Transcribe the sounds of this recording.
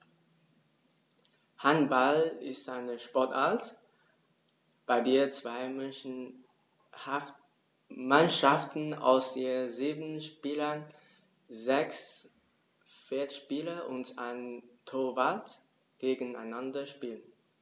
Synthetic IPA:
hanbalɪstaɪnəʃpɔɐtaɐt | b̥aɪdeːɐt͡sv̥aɪ | manʃaftn̩a̰ʊsd̥eːziːbn̩ʃpiːlɐn | zɛks | fɛɐtʃpiːlɐʔʊnta̰ɪntʰoɐvalt | ɡ̥eːɡən̩aɪnandɐʃpiːlən

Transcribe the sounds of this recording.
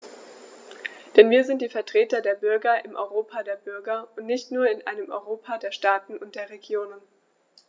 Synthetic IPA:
d̥ɛnviːɐzɪnt̚d̥iːfɛɐtʁ̥eːtɐdeːɐbʏɐɡɐʔɪmʔɔ̰ʏʁoːpʰadeːɐbʏɐɡɐʊntnɪçtnuːɐɪnʔa̰ɪnəmʔɔ̰ʏʁoːpʰadeːɐʃtaːtn̩ʊnt̚d̥eːɐʁeɡjoːnən

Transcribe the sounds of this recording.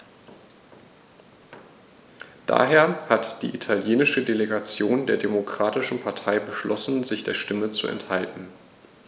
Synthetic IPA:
d̥a̰ːɦeːɐhatd̥ḭːʔitʰaljeːnɪʃədeleɡat͡sjoːndeːɐdemokʁ̥aːtɪʃn̩pʰaɐtʰaɪbəʃlɔsn̩zɪçd̥eːɐʃtɪmət͡sṵɛ̰nthaltn̩

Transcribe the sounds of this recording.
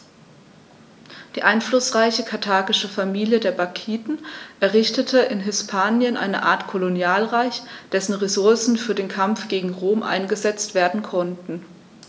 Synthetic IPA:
d̥iːʔaɪnflʊsʁ̥aɪçəkʰaɐtʰaːɡɪʃəfamiːljədeːɐbakʰiːdn̩ʔɛɐʁɪçtətʰəʔɪnɦɪspʰaːnjənʔa̰ɪnə̰ʔa̰ːɐtkʰolonjaːlʁaɪçd̥ɛsn̩ʁezʊɐsn̩fyːɐdeːnkʰamfɡ̥eːɡŋ̩ʁoːmʔa̰ɪnɡəzɛt͡stv̥eːɐdn̩kʰɔntn̩

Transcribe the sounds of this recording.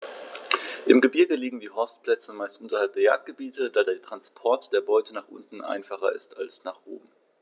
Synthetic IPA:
ʔɪmɡəbɪɐɡəliːɡŋ̩diːɦɔɐstplɛt͡səmaɪstʔʊntɐhalp̚d̥eːɐja̰ːk̚t̚ɡ̥əbiːtəd̥aːdeːɐtʁ̥anspʰɔɐtd̥eːɐbɔʏtʰənaːχʔʊ̰ntn̩ʔa̰ɪnfaχɐ̰ʔɪ̰stalsnaːχʔo̰ːbm̩

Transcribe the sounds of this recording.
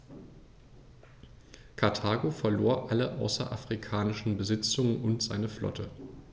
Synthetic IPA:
kʰaɐtʰaːɡofɛɐloːɐʔaləʔaʊsɐ̰ʔafʁ̥ikʰaːnɪʃn̩bəzɪt͡sʊŋənʊntz̥aɪnəflʔɔ̰tʰə

